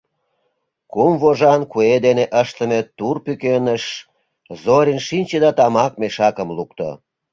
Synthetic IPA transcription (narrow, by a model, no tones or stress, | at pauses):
kumvoʒɑnkued̪eneʔəʃt̪əmet̪urpykenəʃ | zoɾʲinʃinʲt͡ɕed̪ɑt̪ɑmɑk̚meʃɑkəmlukt̪o̰